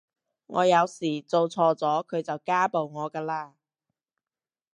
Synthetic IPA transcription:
ŋʔɔː˨˧jɐ˨˧wsiː˨˩t͡so˨˧wt͡sʰɔː˧t͡sɔː˨˥kʰɵ˨˧ɥt͡sɐ˨wkaː˥po˨wŋɔː˨˧kaː˧laː˧

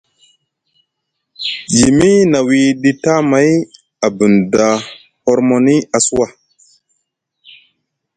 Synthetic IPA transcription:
ji˨mi˦na˨wi˦ɗi˦ta˦ma˨˦j | a˨bə˨nda˨ | hɔ˦ɾmo˨ni˦a˨su˦wa˦

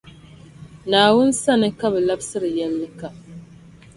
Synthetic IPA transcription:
naː˨wʊ˦nsa˦nɨ˦ka˦bɛ˨la˦bsɨ˦ɾɨ˨jɛ˦lːɨ˦ka˦

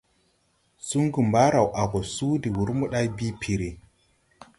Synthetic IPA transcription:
su˦ŋɡu˨mba˦ɾa˨wʔa˨ɡɔ˨su˦di˨wu˨ɾmu˦ɗa˦jbi˦pʰi˨ɾe˨

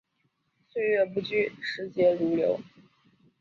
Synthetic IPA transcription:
swe˥˧ɪɥɛ˥˩pu˧˥t͡ɕy˥˩ʂɻ̩˧˥t͡ɕjɛ˧˥ɻu˧˥ljo˧˥ʊ

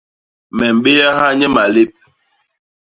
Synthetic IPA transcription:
mɛ˨m̩˨ɓe˦ja˦ɦa˦ɲɛ˦ma˨le˦p̚

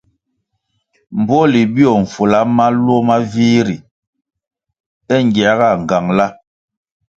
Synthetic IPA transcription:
m̩˨bɔ˦li˨bi˦ɔ˨ɱ̩˨fu˨la˦ma˦lwɔ˦ma˦viː˦ɾi˨ | ɛ˦ŋ˨ɡja˨˦ɣa˦˨ŋ˨ɡa˨ŋla˦

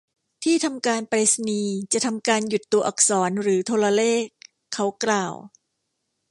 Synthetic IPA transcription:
t̪ʰiː˥˩t̪ʰa˧mkaː˧npɾe˦˥sniː˧t͡ɕa˨˩ʔt̪ʰa˧mkaː˧nju˨˩t̪ːu˧ɐʔa˨˩k̚sɔː˩˦nɾɯː˩˦t̪ʰoː˧la˧leː˥˩kʰː | a˦˥wklaː˨˩w

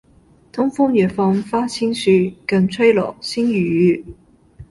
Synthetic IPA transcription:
t̪ʰʊ˥ŋfʊ˥ŋjɛ˨˩fɔ˧nfaː˥t͡sʰi˥nsy˧kɐ˧˩ŋt͡sʰə˥jlɔ̰˨˩si˥njyː˨˩jyː˨˥

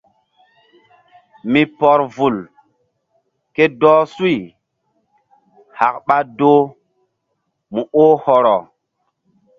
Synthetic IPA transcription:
mi˨pɔ˨ɾvu˨l | ke˦dɔː˦su˦i˨ | ha˨kɓa˦do˦ | mu˨ʔo˦hɔ˨ɾɔ˨

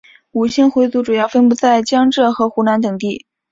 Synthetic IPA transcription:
u˨˩ɕi˥˩nxwe˧˥ɪt͡su˧˥ʈ͡ʂu˨˩jɑ˥˩ʊfə˥npu˧˥t͡sa˥˩ɪt͡ɕjɑ˥ŋʈ͡ʂɤ˥˩xɤ˧˥xu˧˥na˧˥nt̪̬ɤ˨˩ŋt̪i˥˩

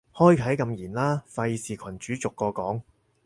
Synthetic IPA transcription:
hɔː˥jkʰɐ˨˥jkɐ˧mjiː˨˩nlaː˥fɐ˧jsiː˨kʷʰɐ˨˩nt͡ʃyː˨˥t͡sʊ˨kːɔː˧kɔː˨˥ŋ

